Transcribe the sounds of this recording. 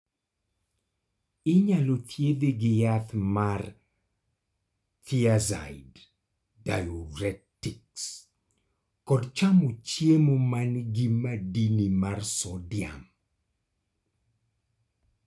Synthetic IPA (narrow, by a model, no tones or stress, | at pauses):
ɪɲalot̪ʰjed̪eɡɪjat̪mar | t̪ʰiaza̰ɪdː | ajɔɾɛtiks | kɔdt͡ʃamot͡ʃjemomanɡɪmadinimarsɔdɪa̰m